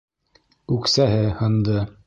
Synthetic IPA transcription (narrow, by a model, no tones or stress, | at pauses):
ʉksæɦɘhɤ̆nd̪ɤ